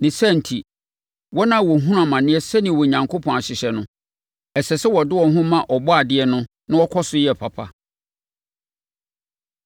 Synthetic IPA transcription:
nɪ̃˨sɛ˦˨n̩˨tʰi˨ | wɔ˦nã˦˨wɔ˨ɦũ˦ɾa˨mã˨nɪ̃˦ɛ˦sɛ˦nɪ̃˨wɔ˨ɲã˨ŋkʰo˦pʰɔ̃˨a˨ɕɪ˨ɕɛ˨nʊ̃˦ | ɛ˨sɛ˨sɛ˦wɔ˨dɪ˦wɔ˨ɦʊ̃˦mã˨ʔɔ˨bɔ˦a˨dɪ˦ɛ˦nʊ̃˦ | nã˦ɔ˦kʰɔ˦sʊ˦jɛ˦˨pʰa˨pʰa̰˦

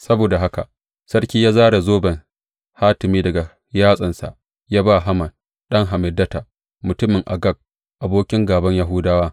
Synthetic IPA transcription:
sɐ˦boː˨da˨ɦa˦ka̰˨ʔ | sɐ˦rkʲiː˦jaː˦zaː˦ɽa˨zoː˦bɐ˨ŋ | haː˦tɪ˨miː˦dɐ˨ɡa˨ | jaː˦sʼɐ˨nsa̰˨ʔ | jaː˦ba˦ɦa˦mɐ˨n | ɗɐ˦ŋɦa˨mɪ˨dːɐ˦ta˨ | mʊ˨tʊ˦mɪ˨ŋʔa̰˨ɡɐ˦k̚ | ʔa˨boː˦kʲɪ˦ŋɡaː˨bɐ˦ɲja˦ɦʊ˦daː˦waː˦

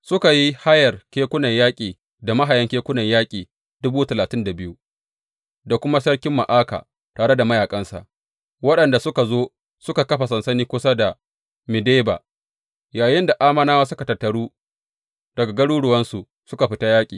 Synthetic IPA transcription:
sʊ˦ka˨ji˦ha˦jɐ˨rkʲeː˦kʷʊ˦nɐ˨ɲjaː˦kʲʼiː˨ | da˨ma˦ɦa˨jɐ˦ŋkʲeː˦kʷʊ˦nɐ˨ɲjaː˦kʲʼiː˨ | d̥ʊ˦buː˦tɐ˨laː˨tɪ˦nda˨bɪ˦ju˦ | da˨kʷʊ˦ma˦sɐ˦rkʲɪ˦mːa̰˨ʔaː˦ka̰˨ | taː˨ɽe˦da˨mɐ˦jaː˨kʼɐ˦nsa̰˨ʔ | wɐ˦ɗɐ˨nda˨sʊ˦ka˨zoː˦ | sʊ˦ka˨kɐ˦ɸa˨sɐ˨nsɐ˦niː˦kʷʊ˦sa˦da˨ | mɪ˨deː˦ba̰ː˨ | jaː˨jɪ˦nda˨ʔaː˦mɐ˦naː˦waː˦sʊ˦ka˨tɐ˨tːɐ˨ɽuː˦ | d̥ɐ˨ɡa˨ɡɐ˦ɽuː˦ɽʊ˨wɐ˦nsu˨ | sʊ˦ka˨ɸɪ˦ta˦jaː˦kʲʼḭː˨

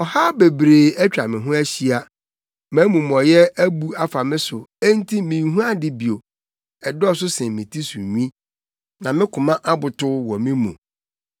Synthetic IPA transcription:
ɔ˨ha˦be˨bɾeː˨ɛ˦t͡ɕᶣɾa˨mɪ̃˨ɦʊ̃˦æ˦ɕi˦a˨ | mæ̃ː˨˦mũ˨m˨ɔ˨jɛ˦æ˦bu˦a˨fa˨mɪ̃˦sʊ˨e˦n˦tʰi˦mĩ˨˦ɦũ˦a˦dɪ˦bi˨o˨ | ɛ˨dɔ˦sʊ˦sɪ̃˨mĩ˨tʰi˦sṵ˨ɲᶣ˦ĩ˦ | nã˨mɪ̃˦kʰʊ˨mã˦ʔa˦bʊ˨tʊ˦wɔ˨mɪ̃˦mṵ̃˨

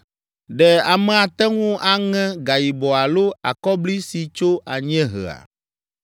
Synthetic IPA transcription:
ɖɛ˨a˨mɛ̃˨a˨t̪ɛ˦ŋũ˦ʔa˨ŋɛ̃˦ɡa˨ji˨bɔ˨a˨lo˦a̰˨kɔ˦bli˦si˨t͡ʃo˦ʔa˨ɲ˦ɛ̃˦ɦə̰˨a̰˨

